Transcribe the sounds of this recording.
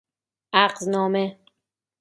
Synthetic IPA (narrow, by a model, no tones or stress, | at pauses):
ʔæɢznɒːme